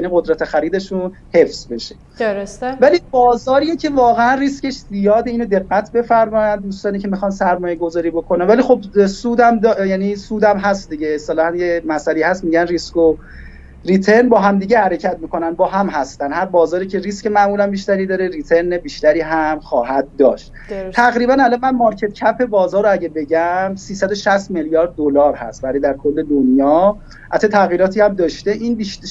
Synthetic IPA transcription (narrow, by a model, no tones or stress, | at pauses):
jæniːɢo̞d̪ɾæt̪ʰexæɾiːd̪e̞ʃun | he̞fz̥be̞ʃe̞ | vælibɒːzɒːɾiːjecʰe̞vɒːɣeænriːsce̞ʃzijɒːd̪e̞iːnod̪e̞ɣːæt̪ʰbe̞fæɾmɒːjænd̪uːst̪ɒːniːcʰe̞mixɒːnsæɾmɒːjeɡo̞zɒːɾiːbo̞kʰonænvælixo̞bsuːd̪æmd̪jæniːsuːd̪æmɦæst̪̚d̪iɟeːsælɒːhænjemæsæleihæst̪miːɟænrisko | rit̪ʰe̞ɾnbɒːɦæmd̪iːɟehæɾe̞cʰæt̪miːkʰo̞nænd̪̚bɒːɦæmɦæst̪ænhæɾbɒːzɒːɾiːcʰe̞ɾiscemæʔmuːlænbiʃt̪æɾiːd̪ɒːɾe̞ɾiːt̪ʰe̞ɾnebiːʃt̪æɾiːɦæmxɒːɦæd̪̚d̪ɒːʃt̪ | t̪ʰæɣɾiːbænælɒnmænmɒɾcʰe̞t̪cʰæpʰe̞bɒːzɒːɾoæɟebe̞ɟæmsiːsæd̪o̞ʃæst̪meljɒːɾd̪̚ːolɒːɾhæ̰st̪væɾiːd̪æɾkʰo̞lːe̞d̪onjɒː | ʔæt̪ʰet̪ʰæɣjiːɾɒːt̪ʰiːæmd̪ɒːʃt̪e̞ʔinbiʃ